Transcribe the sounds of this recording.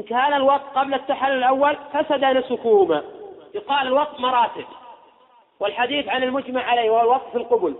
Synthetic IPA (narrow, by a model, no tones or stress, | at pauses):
ʔɪnkaːnalwɑt̚ˤt̪̚qɑblat̪ːaħalːlʔawːalfasad̪anasʊkʊhʊmajʊqɑːlalwɑt̪̚ˤt̪mɑɾˤɑːt̪ɪb | wɪlħad̪iːθʕanɪlmʊd͡ʒmaʕːaleːwahwalwɑt̪ˤʔfilqʊbʊl